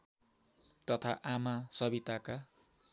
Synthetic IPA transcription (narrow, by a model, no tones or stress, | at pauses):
t̪ʌt̪ʰaʔamasʌbit̪aka